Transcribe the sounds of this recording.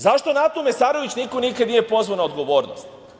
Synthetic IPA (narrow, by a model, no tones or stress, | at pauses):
zaʃt̪o̞nat̪omesaːɾo̞ʋit͡ɕniko̞nikad̪nije̞po̞zvʋanaod̪ɡo̞ʋo̞ːɾnost̪